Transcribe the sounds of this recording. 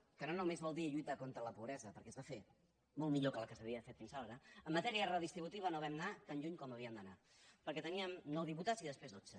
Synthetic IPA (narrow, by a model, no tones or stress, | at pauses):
kənonumezβɔlˠd̪iʎujt̪akont̪ɾələpuβɾɛzəpəɾkɛzβafe | molˠmiʎokələkəsəβiəəfet̪̚finsaɾaɾəəmːət̪ɛɾiərəðist̪ɾiβut̪iβənoβ̞ɛmnat̪anʎuɲkɔməβ̞iəmd̪əna | pəɾkɛt̪əniəmnɔwðiput̪aziðəspɾezðod͡zə